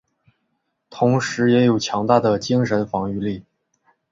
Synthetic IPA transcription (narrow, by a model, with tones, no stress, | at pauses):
t̪ʰʊ˧˥ŋʂɻ̩˧˥jɛ˧˥jo˨˩ʊt͡ɕʰjɑ˧˥ŋt̪a˥˩d̪ə˩t͡ɕi˥ŋʂə˧˥nfɑ˧˥ŋy˥˧li˥˩